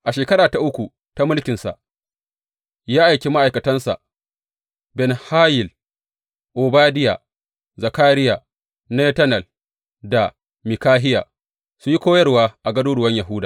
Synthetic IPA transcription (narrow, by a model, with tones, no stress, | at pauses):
ʔa˨ʃeː˨kɐ˦ɽaː˨ta˨ʔʊ˦kʷu˨ | ta˦mʊ˦lkʲɪ˨nsa̰˨ʔ | jaː˦ʔa˨jkʲe˦ma˦ʔa˨jkɐ˨tɐ˦nsa̰˨ʔ | bɛ˨nhaː˦jɪ˨l | ʔoː˨baː˦dɪ˦ja̰ː˨ | za˨kaː˦ɾɪ˦jaː˨ | ne˦tɐ˦nɐ˨l | da˨ | mɪ˨kaː˦ɦɪ˦ja̰ː˨ | su˨ji˦kʷoː˦jɐ˦rwaː˦ʔa˨ɡɐ˦doː˦ɽʊ˨wɐ˦ɲja˨ɦʊ˦daː˨